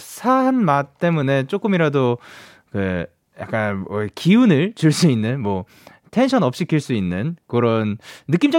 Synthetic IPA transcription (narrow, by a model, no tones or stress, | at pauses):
sʰaanmat͈e̞mune̞t͡ɕ͈ok͈ɯmiɾado | kɯ | ja̰k͈ankiunɯɭt͡ɕuɭs͈uinːɯnmwʌ | tʰe̞nɕʰʌnʌp̚ɕ͈ikʰiɭs͈uinːɯnkɯɾʌnːɯk͈imd͡ʑʌ